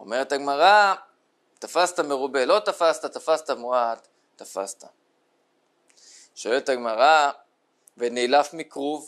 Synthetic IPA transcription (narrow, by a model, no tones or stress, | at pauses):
o̞̰me̞ʁethaɡmaʁa | t̪afast̪ame̞ʁube̞lo̞t̪afast̪at̪afast̪amuatː | afa̰st̪a | ʃo̞elethaɡmaʁa | venejlafmikʁuv